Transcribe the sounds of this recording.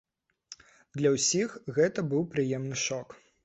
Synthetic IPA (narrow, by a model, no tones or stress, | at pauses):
d̪lʲɐwsʲixɣɛt̪ɐbɨwpɾɨjɛmnɨʂɔk